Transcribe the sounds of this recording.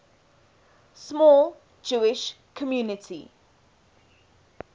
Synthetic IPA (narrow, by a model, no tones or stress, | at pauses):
smɔːl | d͡ʒuːɪʃ | kʰɔmjuːnɪtʰḭ